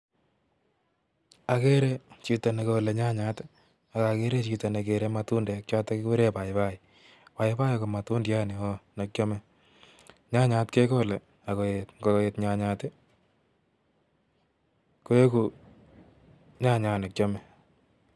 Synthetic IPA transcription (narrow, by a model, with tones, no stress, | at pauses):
a˨ke˦ɾe˦t͡ʃi˨ta˨ne˨ko˨le˨ɲa˦ɲa˨˦t | a˨ka˨ke˦ɾe˦t͡ʃita˨ne˨ke˨ɾe˦ma˨tu˦ndɛ˨k̚t͡ʃa˦ta˦ke˦ke˦ɾe˦pa˨ɪpa˦i˨ | pa˨ɪpa˦jko˨ma˨tu˦ndja˦ne˨o˦ne˨k̚t͡ʃo˦mɛ˦ | ɲa˦ɲa˨tke˦ko˦˨le˨ | a˨ko˨etŋɡo˨e˨tɲa˨ɲa˨te˦ | ko˦e˦ku˨ | ɲa˦ɲa˨ne˨k̚t͡ʃɔ˦mɛ˦